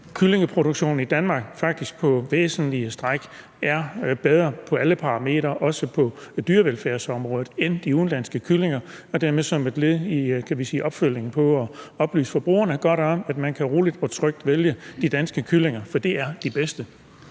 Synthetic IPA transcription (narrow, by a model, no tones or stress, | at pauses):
kʰyle̝ŋəpʰʁo̝ɾ̥oɡ̥ɕo̝̰ːn̩id̥ænmɑ̈ːɡ̥fɑ̈ɡ̥̚d̥isɡ̥̚pʰɒ̽ʋḛːsn̩liəsd̥ʁɑɡ̥ | ʔæɐb̥eð̞ˠʁɐpʰɒ̽æləpʰɑ̈ʁɑ̈me̝̰ːd̥ʁɐʔɒ̽səpʰɒ̽d̥yːɐʋelfæɐ̰sɒ̽mʁɔːð̩ˠend̥iuːn̩lænsɡ̥əkʰyle̝ŋɐ | ɒ̽d̥æɐ̰meðˠsɒ̽med̥le̝ðˠikʰæʋisḭːʔɒ̽b̥føl̰je̝ŋn̩pʰɒ̽ɒ̽ɒ̽b̥ly̰ːsə̥fɒ̽b̥ʁṵːɐnəɡ̥ɒɾ̥ɒ̽mæd̥mænkʰæʁo̝ːlid̥ɒ̽t͡sʰʁœɡ̥̚d̥ʋeljəd̥id̥ænsɡ̥əkʰyle̝ŋɐfɒ̽d̥e̝æɐd̥ib̥esd̥ə